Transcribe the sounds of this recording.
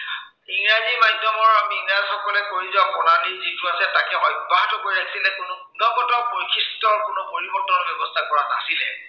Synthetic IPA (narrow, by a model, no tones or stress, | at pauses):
iŋɹazimadʱɔmɔɹbiɡnasɔkɔlɛkoɹizɔkɔnanizituasɛtakɛɔjbaɦtɔkoɹiakʰi̥silɛkʊnʊbunɔɡɔtɔbɔɹikʰistɔɹkʊnʊpoɹibɔtɔɔɹbɛbɔstʰakɔɹana̰silɛ